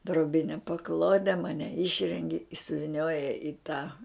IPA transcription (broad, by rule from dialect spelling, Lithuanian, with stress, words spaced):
droːˈbʲɪnʲɛ pɐˈklˠoːdʲɛ ˈmɑːnʲɛ ˈɪʃʲrʲɛŋʲɡʲɪ ɪ sʊʋʲɪˈnʲoːjɛ ɪ tɑː